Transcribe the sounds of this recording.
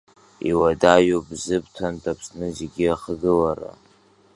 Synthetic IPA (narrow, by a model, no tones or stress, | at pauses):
ḭwadajobzɨbtʰantʼapʰsnɨzeɡʲiaχɡɨlara̰